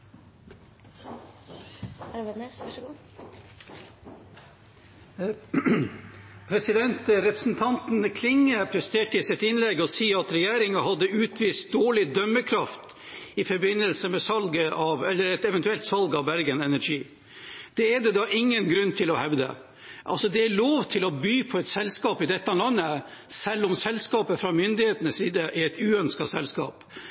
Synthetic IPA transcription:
pʰɾɛsɪd̪ɛnt̪ɾɛpɾəsn̩t̪ʰɑnt̪n̩kʰlɪŋːəpʰɾɛst̪eːʈəɪsɪt̪ɪnlɛɡɔsiːɑt̪ɾɛjæːɾɪŋɑhɑd̪ːəʉːt̪ʰʋiːst̪̚d̪oːɭɪd̪œməkʰɾɑft̪ | ɪfɔɾbɪnːəlsəmɛsɑlɡəʔɑʋɛlːəɾɛt̪ɛʋɛnt̪ʉɛlt̪sɑlɡɑʋbæɾɡənɛnæɾʂiː | d̪̥ɛɛd̪ɛd̪ɑːʔɪŋːənɡɾʉnːt̪ʰɪlɔhɛʋd̪ə̰ | ʔɑ̰lsɔd̪ɛæloːʋt̪ʰɪlɔbyːpʰɔɛɪt̪sɛlskɑːpɪd̪ɛt̪ːəɑlɑnːə | sɛlːɔmsɛlskɑːpəfɾɑmʏnd̪ɪheːt̪ənəsiːd̪əʔɛɾɛɪt̪ʉːœnskɑsɛlskɑ̰ːp

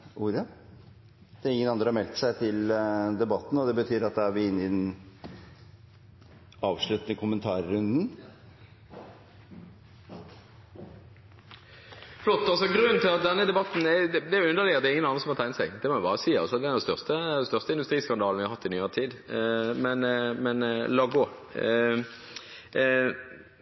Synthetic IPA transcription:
ʔuːɾɑ | d̪̥ɛːɾɪŋːənɑnd̪ɾəhɑmɛlt̪sæɪt̪ʰɪld̪ɛbɑt̪ːn̩ɔd̪ɛbət̪ʰyːɾɾɑt̪̚d̪ɛæʋɪɪnːɪd̪ɛn | ɑːʋʂɭʉt̪nəkʰʊmənt̪ʰɑːɾːʉnd̪n̩ | flɔt̪ːɑlsɔɡɾʉnːt̪ʰɪlɑt̪̚d̪ɛnːəd̪ɛbɑt̪ːn̩ɛd̪ɛæjʊʉnd̪əlɪəd̪ɛɾɪŋənɑnsɔmɑɾt̪ʰæɪnəsɛɡd̪ɛmɔɛbɑːʁəsiːɑ̰lsɔɑt̪d̪ɛd̪ɛst̪œʁst̪əd̪ɛst̪œʁst̪əɪnd̪ʉst̪ɾiːskɑnd̪ɑːlnʋɪhɑhɑt̪ːɪnyːoːt̪ʰiːd̪mɛnmɛnlɑɡo

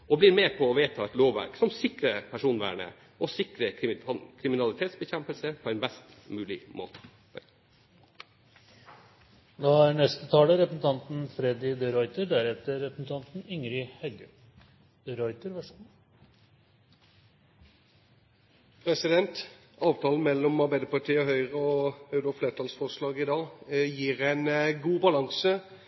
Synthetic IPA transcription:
ʔɔblɪɾmeːpʰɔːʋeːt̪ʰɑːɛt̪loːʋʋæ̰ɾksɔmsɪkɾəpʰæʂuːnʋæ̰ːɳə̰ | ʔɔsɪkɾəkʰɾɪmɪnɑlɪt̪ʰeːt̪sbəçɛmpəlsəpʰɔɛnbɛst̪ | mʉːlɪmo̰ːt̪ə̥ | d̪ɔæɾnɛst̪ət̪ʰɑːləɾɛpɾəsn̩t̪ʰɑnt̪nfɾɛd̪ɪd̪əɾɔʏt̪əɾɖ̪æɾɛt̪əɾːɛpɾəsn̩t̪ʰɑnt̪n̩ʏŋɾɪhɛɡə | d̪̥əɾɔʏt̪əɾʋæʂm | pʰɾɛsɪd̪ɛnt̪ | ɑːʋt̪ʰɑːln̩mɛlːɔmɑʁbæɪd̪əpɑʈʰiːɔɦœʏʁəɔɑʉɾɔfleːt̪ʰɑːlsfɔʁʂlɑːɡɪd̪ɑːjiːɾɛɪnɡuːbɑlɑŋsə

